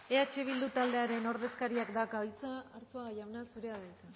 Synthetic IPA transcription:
e̞at͡ʃe̞β̞ild̪ut̪ald̪eaɾe̞no̞ɾð̞e̞skaɾiakd̪akaojt͡saːɾt͡soaɣajawnasuɾe̞aðeka

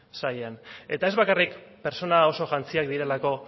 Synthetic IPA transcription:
sajane̞t̪ae̞zβakarikpe̞ɾt͡so̞nao̞so̞ʝant͡siakd̪iɾe̞lako̞

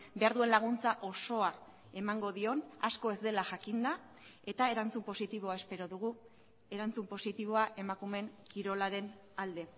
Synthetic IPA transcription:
be̞aɾðue̞nlaɣ̞unt͡saʔo̞so̞a | e̞maŋɡo̞ðio̞na̰sko̞e̞zd̪e̞laʝakind̪a | e̞t̪ae̞ɾant͡sumpo̞sit̪iβ̞o̞ae̞spe̞ɾo̞ðuɣu | e̞ɾant͡sumpo̞sit̪iβ̞o̞aʔe̞makume̞ŋkiɾo̞laɾe̞n | ald̪e̞

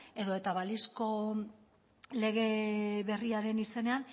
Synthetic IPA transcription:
e̞ðoe̞t̪aβalisko̞ | le̞ɣ̞e̞βe̞riaɾe̞nise̞ne̞an

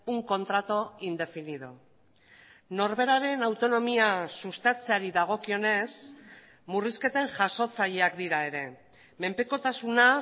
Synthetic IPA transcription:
uŋko̞nt̪ɾat̪o̞ind̪e̞finiðo | no̞ɾβe̞ɾaɾe̞nawt̪o̞no̞miasust̪at͡seaɾiðaɣ̞o̞kio̞ne̞s | muriske̞t̪e̞ŋʝaso̞t͡saʎe̞akd̪iɾae̞ɾe̞ | me̞mpe̞ko̞t̪asuna

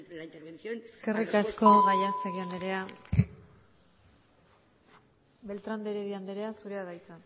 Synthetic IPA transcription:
eske̞rikasko̞ɣajaseɣiand̪eɾea | βe̞lt̪ɾand̪eɾeðiand̪eɾe̞asuɾe̞aðajt͡s̪a

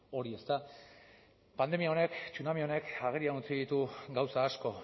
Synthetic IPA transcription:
o̞ɾie̞st̪a | pand̪e̞miao̞ne̞kt͡sunamio̞ne̞kaɣeɾianut͡siðit̪uɡawsaːsko̞

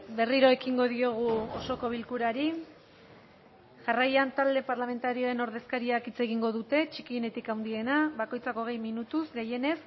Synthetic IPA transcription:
be̞riɾo̞e̞kiŋɡo̞ðio̞ɣ̞uoso̞ko̞β̞ilkuɾaɾi | ʝarajant̪ald̪e̞paɾlame̞nt̪aɾio̞e̞no̞ɾðe̞skaɾiakit͡se̞ɣiŋɡo̞ðut̪e̞t͡ʃikiene̞t̪ikawnd̪ie̞naβako̞jt͡sako̞ɣ̞e̞jminut̪usɡe̞je̞ne̞s

